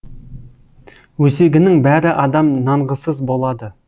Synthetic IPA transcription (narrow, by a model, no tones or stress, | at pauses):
wɵseɡʲɪnɪŋbæɾɪʔɑd̪ɑmnɑɴʁəsəzbo̞lˠɑd̪ə